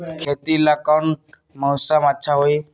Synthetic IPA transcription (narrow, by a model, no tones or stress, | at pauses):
kʰet̪iːlakawn | mə̃wsamatːt͡ʃʰaɦoi